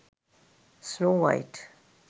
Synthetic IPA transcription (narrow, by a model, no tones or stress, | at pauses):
snoːwa̰ɪʈ